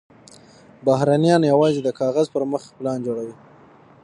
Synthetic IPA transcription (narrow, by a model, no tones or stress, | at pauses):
baɦɾanijɑnjawɑzed̪əkʰɑɣazpəɾməxplɑnd͡ʒoɽawi